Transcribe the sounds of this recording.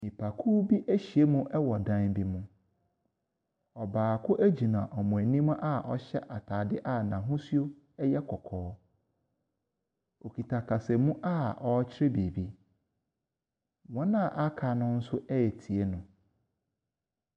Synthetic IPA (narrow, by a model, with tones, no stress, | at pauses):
mĩ˨pʰa˨kʰuː˦bi˦ʔæ˦ɕi˨e˦mʊ̃˦ʔɛ˦wɔ˨dã˦nbi˦mʊ̃˦ | ɔ˨baː˨kʰʊ˦ʔæ˦d͡ʑi˨nã̰˨ʔɔ˨mʊ̃˨æ˨nĩ˦m̃˦ʔa˦ʔɔ̰˦ɕɛ˦ʔa˨tʰa˨dɪ˦ʔa˦nã˨ɦʊ̃˦su˦o˦ | ɛ˦jɛ˦kʰɔ˨kʰɔː˨˦ | o˨kʰi˨tʰa˨kʰa˨sɛ˨mũ˦ʔa˦ɔ˦t͡ɕʰɪ˦ɾɛ˦bi˨bi˦ | wɔ̃˦nã˦˨ʔa˦kʰa˨nʊ̃˦n̩˦sʊ˦ʔɛ˦ɛ˨tʰi˨e˦nʊ̃˨